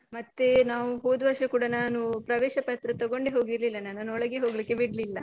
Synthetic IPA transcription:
mɐt̪ːenaːʋuɦoːd̪ʋɐɾʂɐkuːɽɐnaːnupɾɐʋɛːʃɐpɐt̪ɾɐt̪ɔɡo̞ɳɖeɦo̞ːɡiɾlilːɐnaːnaːnuɔɭɐɡeɦoːɡlikːe̞biɽlilːɐ

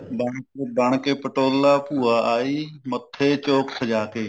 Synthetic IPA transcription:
bəɳkebəɳkeːpəʈoːlːaːpuːaːʔaːiːmət̪ʰːeːt͡ʃoːksəd͡ʒaːkeː

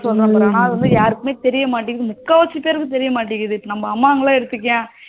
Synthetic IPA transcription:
sɔlɾɐpɐɾaːnaːɐðɯʋɐnd̪ɯjaːɾɯkːɯmeːt̪ɛɾɪjɐmaːʈːɪkːɐðɯmɪkːɐʋɐt͡ʃːɯpeːɾɯkːɯ̃t̪ɛɾɪjɐmaːʈːɪŋkːɐðɯɪpːɐnɐmbɐːmːaːɐŋɡɐɭãːɛɽɯt̪ːɯkːjãː

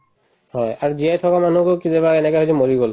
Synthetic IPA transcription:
hɔjaɹuzijajt̪ʰɔkamanukukizɛbaɛnɛkɛɦozimoɹiɡol

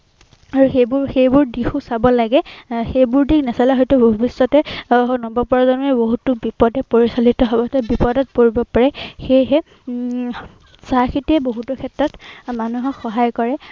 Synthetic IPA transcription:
aɹuxejbʊɹxejbʊɹdixʊsabɔlaɡɛxejbʊɹdiknɛsalɛɦɔjtʊboɦubisːɔtɛɦnɔmbɔpɔɹazɔnɛboɦutʊbipɔdɛpoɹisalitɔɦɔbɔtɛbipɔdɔt̚poɹibɔpaɹɛxejɦɛ | saxitɛboɦutʊkʰɛtɹɔtmanuɦɔkxɔɦajkɔɹɛ

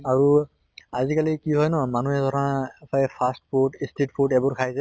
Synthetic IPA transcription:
aɹu | azikalikiɦɔjnɔmanuɛzɔtãpʰajpʰast̚poʈistit̚pʰuʈɛbʊɹkʰajzɛ

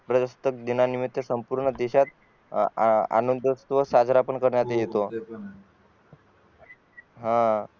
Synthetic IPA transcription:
pɾət̪əst̪ək̚d̪inanimit̪ːəsəmpuɾɳəd̪eɕat̪ | a̰nund̪əst̪ʋəsad͡zɾapəɳkəɾɳjat̪ejet̪o | ɦã

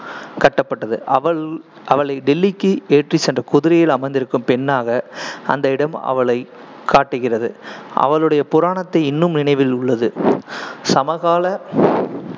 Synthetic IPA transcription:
kɐʈːɐpːɐʈːɐðɯʔɐʋɐɭ | ʔɐʋɐɭɐɪɖɛlːɪkːɯeːʈrit͡ʃːɛndrɐkʊðʊɾɐjɪlɐmɐɪnd̪ɪɾɯkːɯmpɛnːaːɣɐɐ̰nd̪ɐɪɽɐmɐ̰ʋɐɭɐɪ | kʰːaːʈːɯɣɪrɐðɯʔɐ̰ʋɐɭɯɽɐjɐpʊɾaːɳɐt̪ːɐɪɪnːɯmnɪɳɐɪʋɪlʊɭːɐðɯ | sɐmɐɣaːlɐ

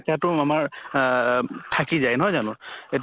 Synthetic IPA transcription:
tatʊamaɹ | tʰakizajnɔɦɔjzanʊ̃e

